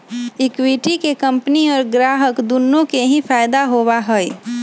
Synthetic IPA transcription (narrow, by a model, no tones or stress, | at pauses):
ɪkwiʈikekə̃mpniɔːɾɡɾaːɦəkd̪unːõkeɦĩfʰaːɪd̪aɦowaɦəj